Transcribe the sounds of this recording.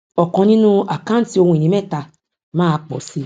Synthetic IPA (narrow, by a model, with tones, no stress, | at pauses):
ɔ˨kɔ̃˧˦nĩ˦nũ˦a˨kã˦n̩˦ti˦o˧hũ˧i˨nĩ˨mɛ˦˨ta˧ | mãː˦˧k͡pɔ̰˨si˧˦